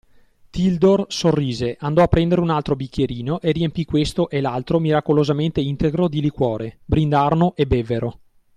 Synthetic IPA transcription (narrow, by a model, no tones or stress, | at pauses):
t̪ild̪orsorːiːzeʔand̪ɔapːɾɛnd̪eɾeunalt̪ɾobikʰʲːjeɾiːnoʔeriempikwest̪oʔelalt̪ɾomiɾakolozament̪eint̪eɡɾod̪ilikwɔːɾebɾind̪arnoʔebevːeɾo